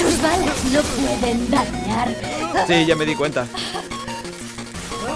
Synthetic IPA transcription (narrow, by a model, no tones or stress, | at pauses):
uzβaleznopweðend̪aɲaɾsiʝame̞ðikwe̞nt̪a